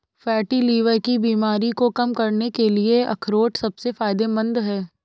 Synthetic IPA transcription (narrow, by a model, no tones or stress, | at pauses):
fɛːʈiliːʋəɾkibiːmaːɾikokɐmkɐɾnekelieʔɐ̰kʰɾoːʈsɐbsefaːɪd̪emɐ̃nd̪ɦɛː